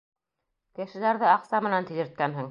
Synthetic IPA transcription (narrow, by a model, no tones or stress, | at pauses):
kɘ̆ʃɘ̆læɾðɘɑqsɑmɘ̆nænt̪ĭzɘ̆ɾt̪̚kænɦɘŋ